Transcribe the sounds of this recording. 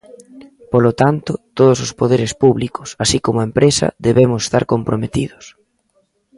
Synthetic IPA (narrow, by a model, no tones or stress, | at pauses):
polot̪ant̪ʊt̪oð̞ʊsospoðeɾɪspuβlikʊ̥sasikomʊaempɾesɐ̰ðeβemʊse̥st̪a̰ɾkompɾomet̪iðʊs